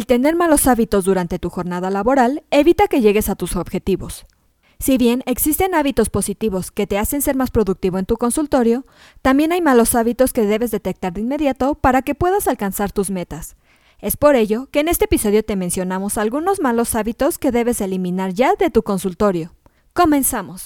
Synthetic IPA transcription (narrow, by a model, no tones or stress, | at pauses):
elt̪e̞ne̞ɾmalo̞saβit̪o̞zduɾant̪e̞t̪uxo̞ɾnað̞alaβo̞ɾale̞βit̪ake̞ʝe̞ɣe̞sat̪uso̞βxe̞t̪iβo̞s | siβje̞neksist̪e̞naβit̪o̞spo̞sit̪iβo̞ske̞t̪e̞ase̞nse̞ɾmaspɾo̞ðuk̚t̪iβo̞e̞nt̪uko̞nsult̪o̞ɾjo̞ | t̪ambje̞najmalo̞saβit̪o̞ske̞ðe̞βe̞zðe̞t̪ek̚t̪aɾðeinme̞ðjat̪o̞paɾake̞pwe̞ðasalkansaɾt̪uzme̞t̪as | e̞spo̞ɾe̞ʝo̞ke̞ːne̞st̪eːpiso̞ðjo̞t̪e̞mensjo̞namo̞salɣuno̞zmalo̞saβit̪o̞ske̞ðe̞βe̞se̞limĩnaɾʝaðe̞t̪uko̞nsult̪o̞ɾjo̞ | ko̞mẽ̞nsamo̞s